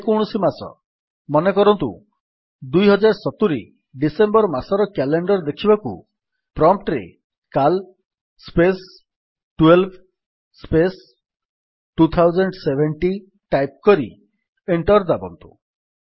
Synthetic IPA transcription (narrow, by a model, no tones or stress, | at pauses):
koɽ̃ɔsimasɔ̰ | mɔnekɔɾɔnt̪ṵ | d̪ujɦɔd͡ʒaɾsɔt̪uɾi | ɖisembɔɾmasɔɾɔkɛleɳɖɔɾd̪ekʰibakṵ | pɾɔmp̚ʈɾḛ | kal | spes | ʈwelb̚ʰ | spes | ʈut̪ʰawd͡ʒɔɳɖsebʱeɳʈi | ʈajp̚kɔɾḭ | eɳʈɔɾd̪abɔ̰nt̪u